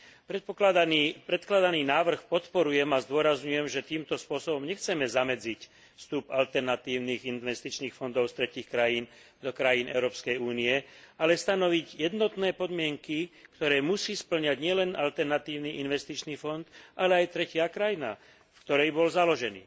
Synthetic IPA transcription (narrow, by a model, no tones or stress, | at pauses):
pɾɛt̪pɔklad̪anipɾɛt̪klad̪aniːnaːʋr̩xpɔt̪pɔɾujɛmazd̪ʊɔɾazɲujɛmʒɛt̪iːmt̪ɔspʊɔsɔbɔmɲɛxt͡sɛmɛzamɛd͡zic | fst̪upalt̪ɛɾnat̪iːʊniːɣinʋɛst̪it͡ʃniːxfɔnd̪ɔʊst̪ɾɛciːxkɾajiːn | d̪ɔkɾajiːnʔɛ̰ʊɾɔːpskɛjuːniɛalɛst̪anɔʋiɟjɛd̪nɔt̪nɛːpɔd̪mɪɛŋkikt̪ɔɾɛːmusiːspl̩ɲaɟɲɪɛlɛnʔalt̪ɛɾnat̪iːʊniʔinʋɛst̪it͡ʃniːfɔnd̪ʔalɛajt̪ɾɛcɪakɾajina | fkt̪ɔɾɛjbɔlzalɔʒɛnḭː